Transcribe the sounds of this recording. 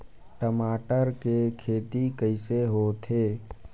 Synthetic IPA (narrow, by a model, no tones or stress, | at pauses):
ʈəmaːʈəɾkekʰeːt̪ikəɪseɦot̪ʰeː